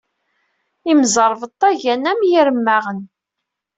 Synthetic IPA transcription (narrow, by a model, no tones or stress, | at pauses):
imzˤəɾˤvət̪ˤːæʝænæmjiɾəmːæʁən